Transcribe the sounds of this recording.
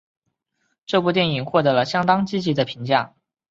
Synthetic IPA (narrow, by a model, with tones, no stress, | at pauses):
ʈ͡ʂɤ˥˧pu˥˧t̪jɛ˥˩ni˨˩ŋxwɔ˥˩t̪ɤ˧˥lə˧ɕjɑ˥ŋt̪ɑ˥ŋt͡ɕi˥t͡ɕi˧˥d̪ə˧pʰi˧˥ŋt͡ɕja˥˩